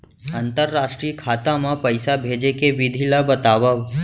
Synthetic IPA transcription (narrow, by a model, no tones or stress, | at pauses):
ənt̪əɾːaʃʈɾiːkʰaːt̪amãpəjsabʱed͡ʒekeʋid̪ʱilabət̪aʋəʋ